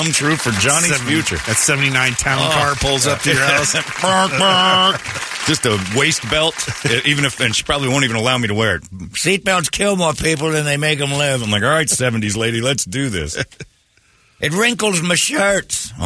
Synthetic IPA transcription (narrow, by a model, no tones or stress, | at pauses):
ʌ̃mtʰɹ̥ʉfə˞d͡ʒɑnifjʉt͡ʃə̰˞ðɨtsɛvntinãɪ̃ntʰãʊ̃nkɑɹpʰʊlˠzʌp̚tʰɨə˞ɛsb̥ʰɑ̃bak̚d̥ʒ̥ʌstəweɪst̚b̥ɛlˠtʔivɨ̃ñɨfɨ̃nʃi̥pʰɹ̥ɑbəbliõʊ̃ntiṽnəlaʊmiɾəwɛɹɨ̰t̚sit̚b̥ɛlˠtskʰɪlˠmɔɹpʰip̬l̩ˠðɨ̃nðeɪmeɪkɨ̃mlɪvãmlaɪkɔlˠɹaɪtsɛṽn̩tizleɪɾilɨtsd̥ɨðɪ̰s | ʔɨt̬̚ɹɪ̃ŋkl̩ˠzmɨʃɜ˞ts